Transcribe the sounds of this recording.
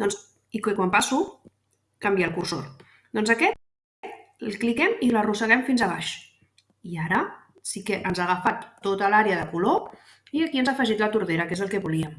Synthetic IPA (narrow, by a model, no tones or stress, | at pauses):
d̪ɔns | ikəkwampasu | kambialˠkurso̰l | d̪ɔnzəkɛt̪̚ | t̪lklikɛmilərusəɣ̞ɛmfinzəβ̞aʃ | iaɾə | sikəʔənzaɣəfat̪ːot̪əlaɾeəðəkulo | iəkiənzaəfəʒit̪lət̪uɾðeɾəkezəlˠkɛβuliəm